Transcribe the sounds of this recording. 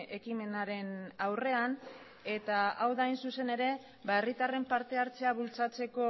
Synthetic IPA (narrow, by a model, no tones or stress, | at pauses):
ekime̞naɾe̞nawre̞an | e̞t̪aawðaːjnsuse̞ne̞ɾe̞ | bae̞rit̪are̞mpaɾt̪e̞aɾt͡se̞aβult͡sat͡se̞ko̞